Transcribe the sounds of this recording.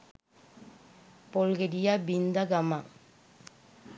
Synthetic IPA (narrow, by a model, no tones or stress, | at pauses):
polɡeɾijabind̪aɡama